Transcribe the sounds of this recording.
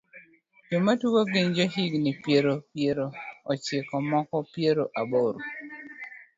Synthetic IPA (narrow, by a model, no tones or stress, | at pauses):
d͡ʒomatuwoɡɪɲd͡ʒɔɦiɡnɪpjeɾopjeɾoːt͡ʃɪkɔmɔkɔpjeɾoʔaboɾo